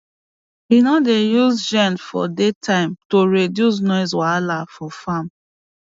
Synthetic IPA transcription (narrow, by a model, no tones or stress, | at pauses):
inɔdejuzd͡ʒɛ̃nfɔ̰detʰãɪ̃mtoɹedjus̬nɔɪs̬walafɔfam